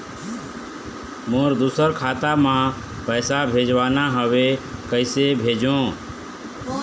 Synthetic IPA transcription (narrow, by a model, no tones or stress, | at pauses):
mõːɾd̪uːsəɾkʰaːt̪aːmãː | pəːsabʱeːd͡ʒʋaːnaːɦəʋeːkəɪseːbʱeːd͡ʒõː